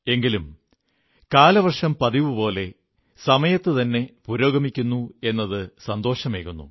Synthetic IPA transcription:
e̞ŋɡilum | kaːlɐʋɐrʂɐmpɐðiʋɨpo̞ːle̞ | sɐmɐjɐt̪ːɨt̪ɐnːe̞puːɾo̞ːɡɐmikʲːunːue̞nːɐðɨsɐnd̪o̞ːʂɐmeːkːunːṵ

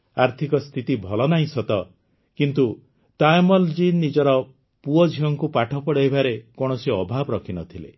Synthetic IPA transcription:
aɾt̪ʰikɔst̪ʰit̪ibʱɔlɔnaĩsɔt̪ɔ | kint̪u | t̪ajmɔld͡ʒinːid͡ʒɔɾɔ | puɔd͡ʒʱiɔŋkupaʈʰɔpɔɽajbaɾekɔɽ̃ɔsiɔbʱabɾɔkʰinɔt̪ʰilḛ

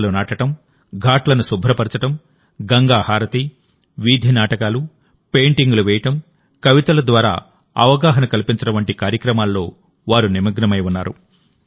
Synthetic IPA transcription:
lunaːʈɐʈɐm | ɡʱaːʈlɐnusubʱɾɐpɐɾɐt͡ʃɐʈɐm | ɡɐŋɡaːhaːɾɐt̪i | ʋiːd̪ʱinaːʈɐkaːlu | peːɳʈiŋɡuluʋɛːjɐʈɐm | kɐʋit̪ɐlɐd̪ʋaːɾa̰ː | ɐ̰ʋɐɡaːɦɐnɐkɐlipiɲt͡ʃɐʈɐʋɐɳʈikaːɾjɐkɾɐmaːlːo̞ː | ʋaːɾunimɐɡnɐmɐjunːaːɾṵ

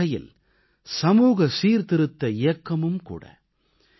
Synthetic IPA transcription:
ɐjɪ̰l | sɐmuːɣɐsiːɾt̪ɪɾɯt̪ːɐɪjɐkːɐmɯmkṵːɽɐ̰

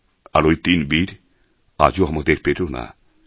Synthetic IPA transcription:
a̰ɾojt̪inbiɾ | ad͡ʑoamad̪eɾpet̪ona̰

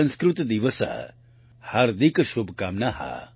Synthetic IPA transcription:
ɐ̃nskɾut̪d̪iʋəsa̰ | haɾd̪ikʃubʱkaːmnaɦa̰

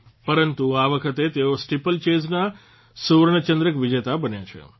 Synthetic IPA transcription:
pəɾənt̪uaʋəkʰət̪et̪eosʈipəlt͡ʃezna | suɾɳət͡ʃə̃nd̪ɾəkʋɪd͡ʒet̪abənjat͡ʃʰḛ

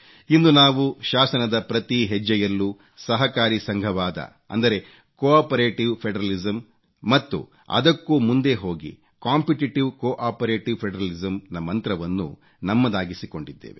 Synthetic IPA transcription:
ind̪unaːʋuʃaːsɐnɐd̪ɐpɾɐt̪iɦɛd͡ʒːɐjɐlːu | sɐɦɐkaːɾisɐŋɡʱɐʋaːd̪ɐ̰ | ɐ̰nd̪ɐɾe̞ | koaːpɐɾeːʈiʋpʰeɖɐɾɐlizɐmː | ɐt̪ːṵ | ɐ̰d̪ɐkːumund̪e̞ɦo̞ːɡḭ | kaːmpiʈiʈiʋkoːʔaːpɐɾeːʈiʋpʰeɖɐɾɐlizɐmnɐmːɐnt̪ɾɐʋɐnːṵ | nɐmːɐd̪aːɡisiko̞ɳɖid̪ːḛːʋe

